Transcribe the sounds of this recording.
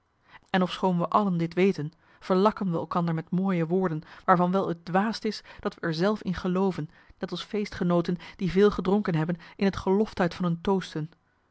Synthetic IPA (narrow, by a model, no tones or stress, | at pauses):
ɛnɔfsχownʋəʔɑləndɪtʋejtən | v̥əɹlɑkənʋəɛ̰lˠkɑndəɹmɛtmoːjəʋʊːɹdənʋaːɹvɑnʋɛlˠət̚dʋaːstɪsd̥ɑtʋəʔɛɹzɛlˠfɪnχəlowvənː | ɛtɑlˠsfejstχənowtənd̥ivɪːlˠχədrʊŋkənɦɛbənɪnɦətχəlɔftɦœɥtfɑnɦɵntowstən